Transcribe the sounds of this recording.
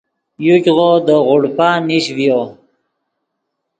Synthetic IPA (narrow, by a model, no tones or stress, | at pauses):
jukʲʁod̪əʁʊɽpaniɕvjo